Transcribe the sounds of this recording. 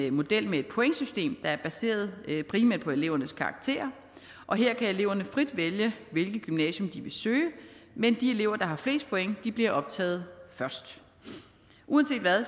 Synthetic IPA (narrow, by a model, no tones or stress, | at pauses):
mo̝d̥el̰mee̝d̥pʰo̝eŋəsysd̥e̝̰ːmd̥ɑ̈æɐb̥æse̝̰ːɐð̞ˠpʰʁiːmæɐd̥̚pʰɒ̽e̝le̝ʊɐnəskʰɑ̈ɑ̈ɡ̥̚t͡sʰe̝̰ːɐ | ʔɒ̽ɦe̝ɐ̰kʰæe̝le̝ʊ̰ɐnəfʁid̥ʋeljəʋe̝lɡ̥ð̩ˠɡ̥ymnɛ̰ːɕɔ̽md̥iʋe̝søːəmend̥ie̝le̝ʊɐd̥ɑ̈ɦɑ̈fle̝̰ːsd̥̚pʰoeŋd̥ib̥liɐʔɒ̽b̥̚t͡sʰɛ̰ːð̞̩ˠfɶɐsd̥ | ʔuɛnse̝̰ːd̥ʋæ